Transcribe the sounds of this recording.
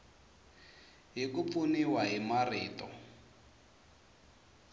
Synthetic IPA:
ɦikup̪funiwaɦimariːtɔ

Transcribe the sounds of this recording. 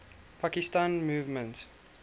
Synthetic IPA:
pʰakistãːnmuːvmə̃nt

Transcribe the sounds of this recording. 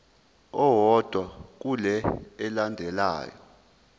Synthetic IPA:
ɔwɔd̥ʱwak̬ulɛɛlandʱɛla̰ːjɔ̰

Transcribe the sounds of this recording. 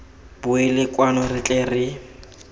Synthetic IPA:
bʊɪlɪkʼwanɔrɪt͡ɬʼerɪ

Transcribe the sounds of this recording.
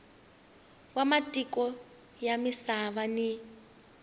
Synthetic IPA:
wamatʼikɔ | jamisaβani

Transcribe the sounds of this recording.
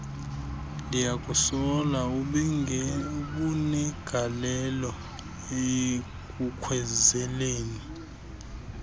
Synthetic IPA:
lijakʼusɔlauɓɛuɓunɛɡ̥ʱalɛlɔ | e | kʼukʰwɛzɛleːni

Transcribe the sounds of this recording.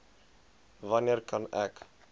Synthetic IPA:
vɐniərkɐnɛk

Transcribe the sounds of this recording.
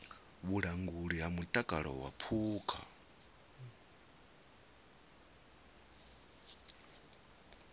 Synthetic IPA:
βuɺaŋɡuɺiɦamutʼakʼaɺɔ̰wapʰuːkʰa̰

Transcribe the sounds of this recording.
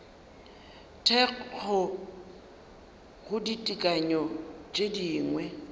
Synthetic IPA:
tʰɛq͡χk͡xʰɔ | ɣʊditʼikʼaɲɔt͡ʃʼediːŋwɛ

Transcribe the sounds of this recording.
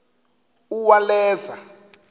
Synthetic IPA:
uwalɛːza

